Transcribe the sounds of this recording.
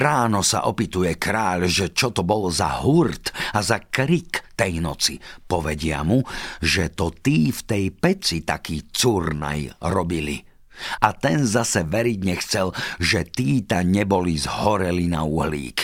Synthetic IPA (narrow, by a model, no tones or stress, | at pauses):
ɾaːnɔsa̰ʔɔpit̪ujɛkɾaːʎʒɛt͡ʃɔt̪ɔbɔlza̰ɦuɾt̪azakɾikt̪ɛjnɔt͡sipɔʋɛɟɪa̰muʒɛt̪ɔt̪iːft̪ɛjpɛt͡sit̪akiːt͡surna̰jɾɔbilḭ | at̪ɛnzasɛʋɛɾiɟɲɛxt͡sɛlʒɛt̪iːt̪aɲɛbɔlizhɔɾɛlina̰uɦlḭːk